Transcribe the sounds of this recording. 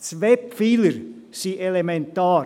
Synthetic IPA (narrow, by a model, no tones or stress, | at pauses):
t͡sʋɛpfiləɾ | siʔelemɛnt̪ɑː